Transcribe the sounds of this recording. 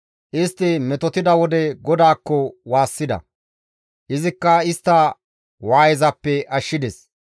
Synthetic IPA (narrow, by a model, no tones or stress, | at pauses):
ʔɪst̪ːɪmɛt̪ɔt̪ɪd̪ɐwɔd̪ɛɡɔd̪aːkːɔwaːsːɪd̪ɐ̰ | ʔɪzɪkːɐɪst̪ːɐ | waːjɛzɐpːɛʔɐʃːɪd̪ɛs